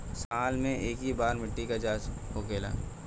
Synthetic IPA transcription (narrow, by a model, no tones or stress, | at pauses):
saːlmẽʔeːkɦibaːɾmɪʈːikad͡ʒaːt͡ʃɦokeːla̰ː